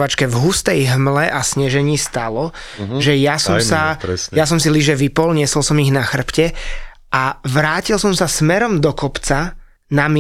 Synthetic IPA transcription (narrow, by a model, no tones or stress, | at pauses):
ʋat͡ʃkɛvɦust̪ɛjɦmlɛʔasɲɛʒɛɲiːst̪alɔʒɛjasɔmsajas̬ɔmsiliʒɛʋipɔlɲɪɛsɔlsɔmiɣnaxr̩pcɛ | ʔaʋɾaːcilsɔmsasmɛɾɔmd̪ɔkɔpt͡sa | namɪ